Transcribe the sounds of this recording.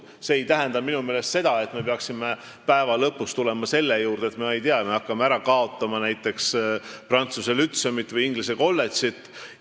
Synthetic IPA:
se̞ːjt̪æɦend̪ɑminume̞ːle̞st̪se̞d̪̥ɑe̞t̪me̞peɑksime̞ | pæevɑlɤpːˑust̪ule̞mɑse̞lːe̞juːɾd̪̥et̪meejt̪iɑme̞ɑkːɑmeæɾɑkɑo̞t̪ːˑɑmɑnæjt̪ːˑe̞ksprɑnt̪suse̞lyt̪semit̪ːˑvɯjiŋɡlise̞ko̞lːe̞t̪sit̪ˑː

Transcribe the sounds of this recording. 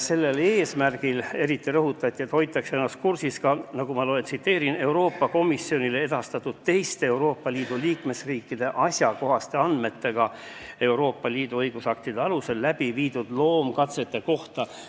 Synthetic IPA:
se̞lːe̞le̞ːsmærɡ̥ile̞ɾit̪ːˑiɾɤɦut̪ːˑɑt̪ʲːˑiet̪ːho̞jt̪ːˑɑkseenɑst̪̚kursiskɑnɑɡumɑloent̪sit̪ːˑe̞ːɾine̞wɾo̞ːpˑːɑko̞misːio̞nilee̞d̪̥ɑst̪ɑt̪ːˑut̪t̪e̞jst̪eewɾo̞ːpˑːɑliːd̪̥uliːkme̞sriːkːid̪̥e̞ʔɑsʲjɑko̞ɦɑst̪e̞ɑnd̪̥me̞t̪ːe̞ɡ̥ɑ | e̞uɾo̞ːpːɑliːd̪̥uɤjɡ̥usɑk̚t̪id̪eɑluse̞lːæb̥iviːd̪ud̪̥lo̞ːmkɑt̪se̞t̪ːe̞ko̞ht̪ɑ

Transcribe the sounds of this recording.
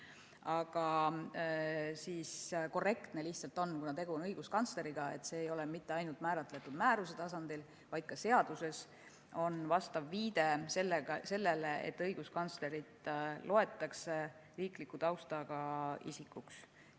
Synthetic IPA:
ɑɡ̥ɑ | sisko̞re̞kt̪ne̞liçt̪sɑlt̪ːˑo̞nkunɑt̪e̞ɡ̥unɤjɡ̥uskɑnt̪sleɾiɡ̥ɑe̞̰t̪ːse̞ːjo̞le̞mit̪ːeɑjnult̪mæːɾɑt̪ːˑle̞t̪ːˑud̪mæːɾus̬e̞t̪ɑsɑnd̪̥il | vɑjd̪̚kɑse̞ɑd̪̥use̞s | o̞nvɑst̪ɑvːiːd̪e̞selːeɑse̞lːeleḛt̪ːˑɤjɡ̥uskɑnsle̞ɾit̪ˑlʔo̞e̞t̪ːˑɑkse | riːklikːˑut̪ɑwst̪ɑɡ̥ɑḭsikːˑuks

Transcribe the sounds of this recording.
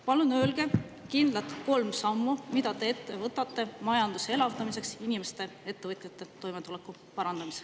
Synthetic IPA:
pɑlunøːlɡ̥e̞ | kind̪lɑt̪ko̞lmsɑmːumid̪ɑt̪e̞et̪ːe̞vɤt̪ːˑɑt̪ːe̞mɑjɑnd̪̥use̞lɑvt̪ɑmise̞ksinime̞st̪e̞e̞t̪ːe̞vɤt̪ʲˑjɑt̪ːˑe̞t̪o̞jme̞t̪ule̞kːˑu | pɑɾɑnd̪̥ɑmis

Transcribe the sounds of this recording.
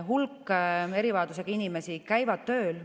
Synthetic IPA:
ɦulkːˑe̞ɾivɑːd̪us̬eɡ̥ɑinime̞sikæjvɑd̪̥̚t̪ø̞ːl

